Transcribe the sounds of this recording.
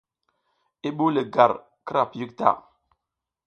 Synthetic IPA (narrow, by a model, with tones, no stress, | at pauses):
i˦ɓu˦lə˨ɡa˨ɾ | kə˦ɾa˨pji˦k̚ta̰˦˨